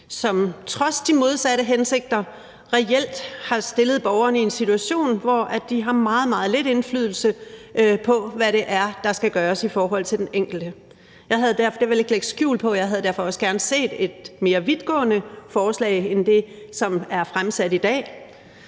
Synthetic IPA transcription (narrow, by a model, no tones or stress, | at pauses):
sɒ̽mt͡sʰʁɒ̽sd̥imo̝ð̞ˠsæɾəɦense̝ɡ̥̚d̥ɐ | ʁɛel̰d̥hɑ̈sd̥e̝ləð̞̩ˠb̥ɒʊɐnəie̝nsit͡sʰuæɕo̝̰ːnʋɒæd̥ːiɦɑ̈mɑ̈ːð̞̩ˠmɑ̈ːð̞̩ˠle̝ɾe̝nflyð̞̰ˠl̩səʔpʰɒ̽ʋæɾe̝ʔæɐd̥ɑ̈sɡ̥æɡ̥ɶːɐsifɒːɦɒ̽l̰t͡sʰe̝ld̥eneŋ̰ɡ̥l̩d̥ə | jɑ̈ɪɦæðˠd̥æɐfɒd̥eɐʋele̝ɡ̥əleɡ̥̚d̥sɡ̥jṵːlpʰɒ̽jɑ̈ɪɦæð̞ˠdæɐfɒ̽ɒ̽səɡ̥æɐnəse̝̰ːd̥e̝d̥me̝ːɐʋiðˠɡ̥ɔ̰̽ːnəfɒːslɛ̰ːɪend̥e̝ | sɒ̽mæɐfʁamsæd̥id̥ɛ̰ː